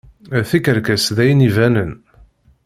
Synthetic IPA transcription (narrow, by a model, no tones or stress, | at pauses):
æθikəɾkæsðæjnivænən